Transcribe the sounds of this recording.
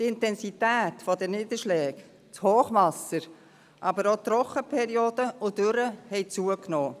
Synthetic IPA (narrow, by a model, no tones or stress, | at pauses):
t̪ɪntɛnsit̪æːtfɔd̪ɛnɪːd̪əʃlɛːk | t͡shoːχʋɑsəɾ | ʔɑbəɾot̪ɾɔχəpʰɛɾioːd̪əʔʊd̥øɾəhɛɪt͡suəknoː